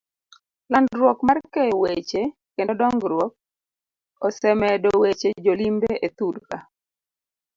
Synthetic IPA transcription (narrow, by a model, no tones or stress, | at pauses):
landɾwɔkmarkejɔwet͡ʃe | kendɔdɔŋɡɾwɔk̚ | ɔsɛmɛdɔwet͡ʃed͡ʒolimbeʔet̪udka